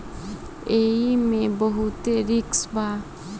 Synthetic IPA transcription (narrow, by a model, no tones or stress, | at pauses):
eːimẽbəɦut̪eɾɪksba